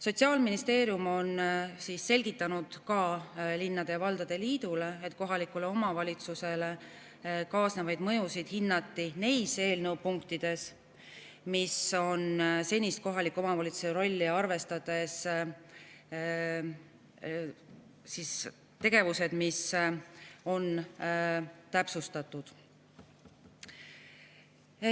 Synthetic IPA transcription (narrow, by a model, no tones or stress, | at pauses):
so̞t̪siɑːlminist̪e̞ːɾjumo̞nsiːsːe̞lʲɡ̥it̪ˑːɑnud̪̥kɑlinːɑd̪̥evɑld̪ɑd̪̥e̞liːd̪̥ule̞et̪ko̞ɦɑlikːˑule̞o̞mɑvɑlʲit̪suse̞le̞ | kɑːsnevɑjd̪̥mɤ̞jusid̪̥hinːɑt̪ˑːine̞jse̞ːlnɤwpuŋkt̪id̪̥e̞s | miso̞nse̞nʲist̪̚ko̞ɦɑlikːˑo̞mɑvɑlit̪su̥eɾo̞lʲːiɑrve̞st̪ɑd̪̥e̞s | sis | t̪e̞ɡ̥e̞vuse̞d̪̥mis | o̞n | t̪æpsust̪ɑt̪ːˑud̪̥